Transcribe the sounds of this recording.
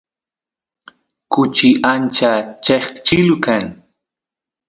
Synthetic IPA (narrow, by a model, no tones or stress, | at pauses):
kʊt͡ʃɪʔant͡ʃat͡ʃeχt͡ʃɪlʊkaŋ